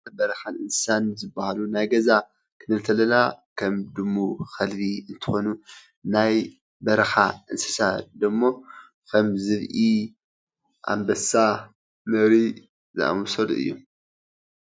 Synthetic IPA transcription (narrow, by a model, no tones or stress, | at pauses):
bɐɾɐxanʔɨnsɨ̥sanzɨbːahalunajɡɐza | kʰɨnɨlt̪ʰɐlɐlakʰɐmd̪ɨmːuxɐlbiɨnt̪ʰɨ̥xo̞nu | naj | bɐɾɐxaʔɨnsɨ̥sad̪ɐmːo̞ | kʰɐmzɨβʔi | ʔa̰mbɐsa | mɐβɾi | zɨ̰ʔa̰mɔsolʔɨ̰jːṵ